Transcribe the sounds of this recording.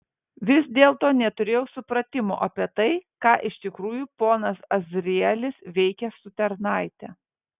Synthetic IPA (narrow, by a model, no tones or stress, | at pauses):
ʋʲɪsd̪ʲeːlˠt̪oːnʲɛt̪ʊɾʲeːjɛʊsʊpɾɐt̪ʲɪmo̰ːʔɐpʲiɛt̪ɐɪkɑːʔɪʃt̪ʲɪkɾuːjupoːnɐsɐzʲɾʲɪɛlʲɪsʋʲɛɪkʲɛsʊt̪ʲɛɾnɑˑɪt̪ʲɛ